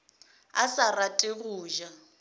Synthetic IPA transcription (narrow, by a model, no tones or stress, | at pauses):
asaratʼeɣuːʒa